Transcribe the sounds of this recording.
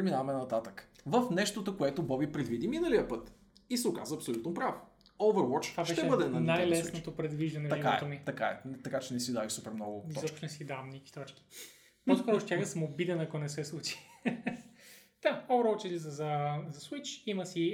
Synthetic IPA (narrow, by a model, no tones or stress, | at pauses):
pɾɛminavɐmɛnɐt̪at̪əkvəfnɛʃt̪ot̪okoɛt̪obɔbipɾɛd̪vid̪iminəlijəpɤt̪ | isɛʊka̰zəɐpsolʲut̪nopɾavo | ɔvəɾwɔt͡ʃ̪vabʃɛʃt̪ɛɛbɤd̪ɛnɐnajlɛsnot̪opɾɛd̪viʒd̪ɐnɛɐikaaɛ̰t̪omit̪ɐkaɛ̰t̪ɐkat͡ʃɛnɛsid̪aviʃsupɛɾmnɔɡʊɔzɔpʃt̪onɛsid̪avɐmnɛki̥t̪ɔt͡ʃki̥ | nɔskɔɾoʃt̪ʲjaxəsɐmobid̪ɛnɐkonɛsɛslˠut͡ʃi̥ | d̪̥aɔvəɾwɔt͡ʃɛlizɐzɐzɐswit͡ʃimɐsi